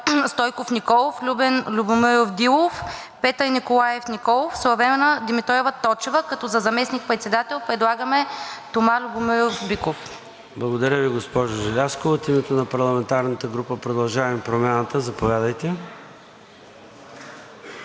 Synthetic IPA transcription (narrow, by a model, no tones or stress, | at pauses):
st̪ɔjkofnikɔlˠoflʲubɛnlʲubʊmɵjofd̪ilˠof | pɛt̪əɾinikolˠajɛfnʲikɔlˠofsəvɾɛmɛnəd̪imit̪ɾɔɛvət̪ɔt͡ʃɛvəkɐt̪ɔzɐzɐmɛsnik̚pɾɛt̪sɛd̪at̪ɛlˠpɾɛd̪lˠaɡəmɛt̪omalʲubʊmɛjofbikof | blˠɐɡod̪ɐɾʲəviɡospɔʒoʒɛlʲaskoot̪imɛt̪onɐpɐɾlˠɐmɛnt̪aɾnət̪əɡɾupəpɾod̪ɐlˠʒavɐmpɾomʲjanət̪əzɐpovʲjad̪əjt̪ɛ